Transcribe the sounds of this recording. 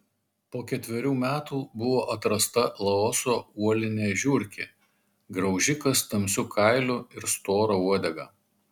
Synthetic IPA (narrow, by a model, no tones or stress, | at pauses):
poːkʲɛt̪ʲʋʲɛɾʲuːmʲæːt̪uːbʊʋoːʔɐt̪ɾɐst̪ɐlˠɐɔsoːuɔlʲɪnʲeːʒʲuɾʲkʲḛ | ɡɾɐʊʒʲɪkɐst̪ɐmʲsʲʊkʰɐˑɪlʲʊɪɾst̪oːɾouɔd̪ʲɛɡɑ̰ː